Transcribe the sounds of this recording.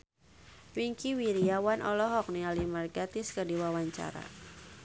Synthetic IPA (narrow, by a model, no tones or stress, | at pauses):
wiŋkiwiɾiawanʔɔ̰lɔɦɔk̚nialimərɡat̪ɪskədiwawaɲt͡ʃa̰ɾa̰